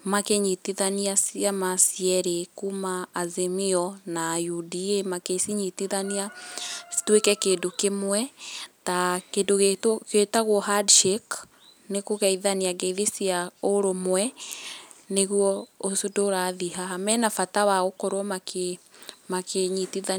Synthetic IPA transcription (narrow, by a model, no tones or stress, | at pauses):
makeɲitiðaniasiamasiɛɾekumaːzemiɔnajudiemakesiɲitiðaniastwekɛkeːdokemwɛtakedoɣetketaɣwɔɦadʃek | nekoɣɛiðaniaɡeðesiaoɾomwɛ | neɣwɔosdoɾaðiɦaɦamɛnafatawaɣokoɾwɔmakemakeɲitiða